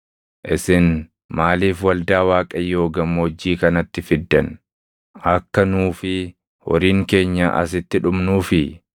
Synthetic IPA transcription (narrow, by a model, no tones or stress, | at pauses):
ʔɪsɪn | maːliːfwɐld̪aːwaːkʼɐjːoːɡɐmːod͡ʒːiːkɐnɐt̪ːɪfɪd̪ːɐn | ɐkːɐnuːfɪ | wɔ̰ɾiːŋke̞ːɲːɐʔɐ̰s̬ɪt̪ːɪᶑʊmnuːfɪ